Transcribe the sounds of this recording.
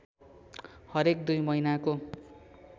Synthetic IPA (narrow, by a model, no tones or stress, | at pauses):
hʌɾek̚d̪ujmʌinako